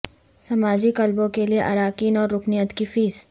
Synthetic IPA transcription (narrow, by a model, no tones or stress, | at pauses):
sɐmaːd͡ʒikɐlbõkelieʔɐ̰ɾaːkiːnɔːɾːʊkʰnijət̪kifiːz